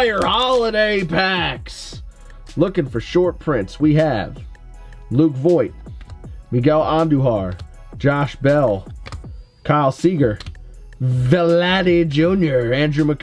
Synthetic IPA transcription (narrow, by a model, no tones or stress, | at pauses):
ə˞hɑlˠəɾeɪpʰæks | lʊkɪ̃ŋfə˞ʃɔɹt̚pʰɹ̥ɪ̃nswiɨv̥ | lukvɔɪt̚miɡɛlˠɑ̃ndʉɦɑɹ̥ | d͡ʒɑʃbɛlˠ | kʰɑɪlˠsiɡə˞ | vɨlæɾid͡ʒʉ̃njə˞æ̃ndɹʉmɨk